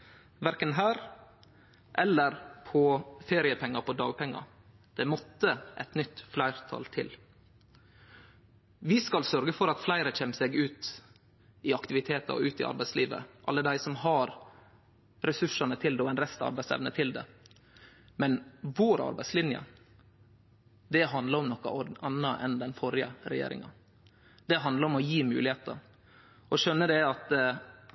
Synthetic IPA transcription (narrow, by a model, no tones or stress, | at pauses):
ʋæɾkənɦæːɾ | ʔɛlːəɾpʰɔfeːɾɪəpʰɛŋːɑpʰɔd̪ɑ̰ːɡ̚pʰɛŋːɑ̰ | d̪̥ɛmɔt̪ːəʔɛ̰t̪nʏt̪ːflæɪɾt̪ʰɑ̰lt̪ʰɪl | ʋɪskɑlsœɾɡəfɔɾɑt̪flæɪɾəc͡çɛnəsɛɡʉːt̪ | ɪɑkt̪ɪʋɪt̪ʰeːt̪ɑ̰ʉːt̪ɪ̰ʔɑ̰ɾbæɪsliːʋə̰ʔɑ̰lːəd̪æɪsɔmhɑɾ | ɾɛsʉʂɑnət̪ʰɪld̪ɛɔɛnɾɛst̪ɑɑ̰ɾbæɪsɛ̰ʋnət̪ʰɪld̪ɛ̰ | mɛnʋoːɾɑ̰ɾbæɪtslɪnjə̰ | d̪ɛɦɑnd̪ləɾɔmnɔkːɑ̰ɑnːəʔɛnd̪ɛnfɔɾɪə̰ɾɛ̰jḛːɾɪ̰ŋɑ̰ | d̪ɛɦɑnd̪ləɾɔmɔjiːmʉ̰ːlɪheːt̪ə̰ɾ | ɔʃœnːəd̪ɛɑt̪